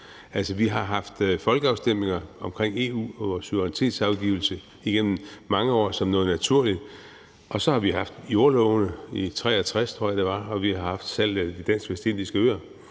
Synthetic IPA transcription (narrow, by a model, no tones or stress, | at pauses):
ælsəʋiɦɑ̈ɦɑ̈fd̥fɒ̽lɡ̥əɑ̈ʊsd̥em̰e̝ŋɐɒ̽mkʰʁeŋ̰e̝ːṵːɒʋɒːsuʋʁnit͡sʰe̝̰ːd̥sɑ̈ʊɡ̥ḭʊl̩sə | iɡ̥en̰m̩mɑ̈ŋəɒ̰ːsɒ̽mnɔ̽ːð̞̩ˠnæt͡sʰuɐ̰lid̥ | ʔɒ̽sɒ̽hɑ̈ʋiɦɑ̈fd̥jo̝ɐlɔʊnəit͡sʰʁɛ̰ːæt͡sʰʁast͡sʰʁo̝ɐ̰jɑd̥e̝ʋɑ̈ɒ̽ʋihɑ̈hɑ̈fd̥sæl̰d̥id̥æn̰sɡ̥ʋesd̥end̥isɡ̥æøːɐ